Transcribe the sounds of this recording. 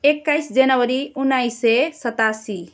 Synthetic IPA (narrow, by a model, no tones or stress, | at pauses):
ekːajsd͡ʒənəwəɾiunːajsesət̪asi